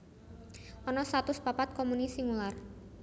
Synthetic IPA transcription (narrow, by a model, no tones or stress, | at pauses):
ʔɔnɔst̪at̪ʊspapat̪̚kɔmunisiŋular